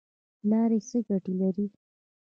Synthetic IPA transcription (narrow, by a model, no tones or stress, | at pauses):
lɑɾesəɡaʈilaɾi